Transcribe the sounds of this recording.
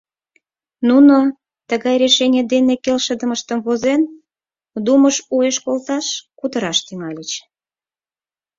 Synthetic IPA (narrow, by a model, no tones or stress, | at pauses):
nuno | t̪əɣɑjɾeʃenʲed̪enekelʃəd̪əməʃt̪əmβozen | d̪uməʃueʃkolt̪ɑʃkut̪əɾɑʃt̪yŋɑlʲət͡ɕ